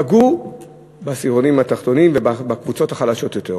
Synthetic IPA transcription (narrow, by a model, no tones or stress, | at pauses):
aɡu | basiʁonimhat̪aχt̪o̞nimvebabakvut͡so̞thaχalaʃo̞t̪jo̞t̪e